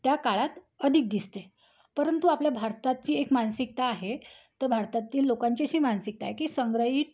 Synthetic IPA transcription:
t̪jakaɭat̪ | əd̪ʱik̚d̪ist̪e | pəɾənt̪uapljabʱaɾt̪at̪̚t͡ɕiːekmansik̚t̪aːɦet̪əɾbʱaɾt̪at̪ːiːlːokaɲt͡ɕiɕiːmansik̚t̪a̰ːɦekiːsəŋɡɾəɦiː

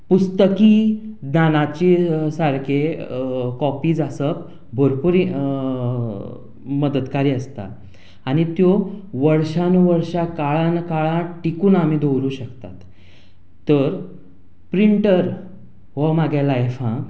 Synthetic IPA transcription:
pust̪əkiːd̪nanat͡ɕiːsaɾkʰe | kɔpiːd͡zasəp | bʱoɾpuɾi | məd̪ət̪kaɾiːəst̪a̰ː | ɽ̃it̪joʋəɾɕanuʋəɾɕakaɭãnkaɭãʈikuːnam̤iːd̪owɾuːɕəkt̪a̰t̪ː | əɾ | pɾiɳʈəɾ | ʋomaɡjalajfã

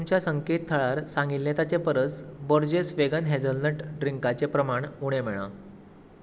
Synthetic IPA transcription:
t̪umt͡ɕjasəŋket̪̚t̪ʰəɭaɾsãŋɡilnet̪at͡sepəɾət͡sbəɾd͡ʑesʋeɡənɦɛd͡zəlnəʈɖɾiŋkat͡sepɾəmaɳuɽ̃em̤eɭã̰

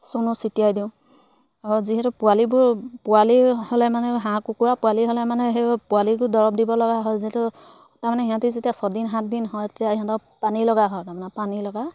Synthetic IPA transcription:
sunusitijajdiʊ̃ | aɹuziɦɛtʊpʊalibʊɹpʊwalihɔlɛmanɛɦãkukuɹapʊaliɦɔlɛmanɛɦɛpualiɡʊɹdɔɹɔp̚dibɔlɔɡaɦɔjziɦɛtʊ | taɹmanɛiɦãtuzetijasɔdinɦãt̚dinɦɔjetijaiɦãtɔpanilɔɡaɦɔjtamɛnapanilɔɡa

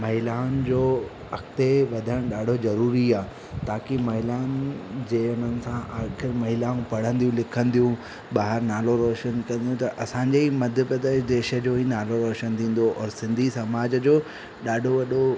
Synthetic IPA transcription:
mɐɦɪlaːʊnd͡ʑoː | ɐkt̪eʋɐd̪ʱəɽ̃ɗaːɖʱozɐɾuːɾiaː | t̪aːkemɐɦɪlaːʊnd͡ʑeːʊn̤ənɪ̆sãʔaːxɪɾmɐɦɪlaːũpɐɽ̤ə̃nd̪iũlɪkʰə̃nd̪ijũ | ɓaːɦɪɾnaːloɾɔːʃənkɐ̃nd̪ijũt̪ɐʔɐsãːɲd͡ʑeːimɐd̪ʱəpɾəd̪eːʃd̪eːʃə̆d͡ʑoːɦinaːloɾɔːʃənt̪ʰĩːn̆d̪oʔɔːɾsɪ̃nd̪ʱisɐmaːd͡ʑd͡ʑoː | ɗaːɖʱoʋɐɗo

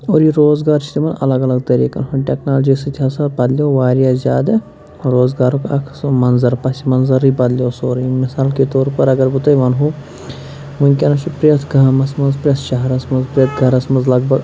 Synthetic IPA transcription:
oːɾjiɾoːzɡaːɾt͡ʃʰi̥t̪imɐnɐ̰lɐɡɐlɐɡ̚t̪ɐɾḭːkɐ̰nɦoʈeknaːld͡ʒisit̪ʲɦaːsapɐd̪ljoʋaːɾijaːzʲaːd̪ɐ | ɾoːzɡaːɾokɐ̰kʰsmɐnzɐɾpɐsimɐnzɐɾibɐd̪lijoːsoːɾimɪsaːlket̪oːɾpɐɾɐɡɐɾbut̪ɐjʋɐnɦo | munkʲenɐt͡ʃʰipɾet̪ʰɡʱaːmɐsmɐnzpɾesʃɐɦɾɐsmɐnzpɾet̪ʰɡʱɐɾɐsmɐnzlɐɡbɐɡ

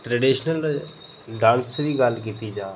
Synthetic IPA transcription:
ʈɾəɖiːʃnəl | ɖãːnsʋiɡɐlk̬it̪id͡ʒãː

